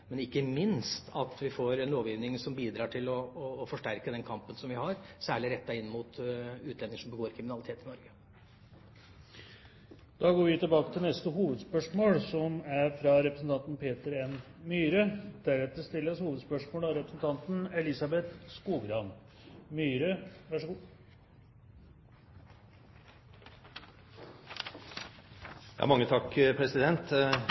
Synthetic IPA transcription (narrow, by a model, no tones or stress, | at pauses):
mɛnɪkːəmɪnst̪ʰɑt̪ʋɪfoːɾɛnloːʋjiːʋnɪŋsɔmbiːd̪ɾɑːʈʰɪlɔfɔʂʈæɾkəd̪ɛnkʰɑmpənsɔmʋɪhɑɾsæːɭɪɾɛt̪ːɑɪnːəmʊt̪ʉːt̪ʰlɛnːɪŋəʂɔmbəɡoːɾkʰɾɪmɪnɑlɪt̪ʰeːt̪ɪnɔɾɡə | d̪̥ɑːɡoːɾʋɪt̪ɪlbɑːkə̥t̪ʰɪlnɛst̪əɦuːʋəd̪spœʂmoːlsɔmæɾfɾɑɾɛpɾəsn̩t̪ɑnt̪n̩pʰeːt̪əɾɛnmyːɾəd̪̥æɾɛt̪̚d̪əst̪ɪlːəshuːʋəd̪spœʂmoːlɑɾɛpɾəsn̩t̪ʰɑnt̪n̩ɛlɪsɑbɛt̪skuːɡɾɑn | myːɾəʋæʂəɡuː | jɑ̰ːmɑŋːət̪ʰɑkːpʰɾɛsɪd̪ɛnt̪